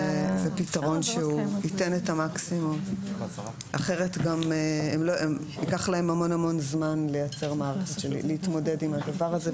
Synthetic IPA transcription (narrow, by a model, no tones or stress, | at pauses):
zepitaʁo̞nʃeuitenetamaksimum | ʔa̰χeʁetɡameemloʔem | ikaχlae̞mamo̞namo̞nzmanlejat͡se̞ʁmaaʁeχetʃelḭleitmo̞de̞dimadavaʁaze